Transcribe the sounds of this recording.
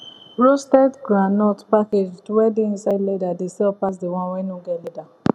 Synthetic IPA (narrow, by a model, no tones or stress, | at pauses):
ɹostɛtɡɹanɔtpaketwɛdeĩnsajdledadesɛlpas̬dewãnwɛ̃noɡɛleda